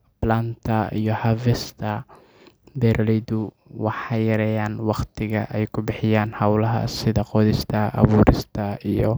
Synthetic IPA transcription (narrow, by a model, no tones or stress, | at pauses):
blant̪ʰɐḭjɔhavɛst̪ʰɐ | bɛɾʔlɛd̪ʊ | wɑħɑjɐɾɛːjaːnwɑqt̪ʰɪɣɐʔɛjkʰʊbɪħɪjaːnhɐwlɐɦɐ̰sɪðɐqɔːðɪst̪ʰɐʔɑ̰βuːɾɪst̪ʰɐijɔ